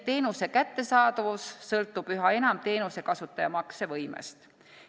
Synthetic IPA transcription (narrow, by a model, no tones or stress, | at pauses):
t̪e̞ːnuse̞kæt̪ːe̞sɑːd̪ɑvusːɤlt̪ːˑub̥yɦɑe̞nɑmt̪e̞ːnuse̞kɑsut̪ːˑɑjɑmɑksevɤjmḛst̪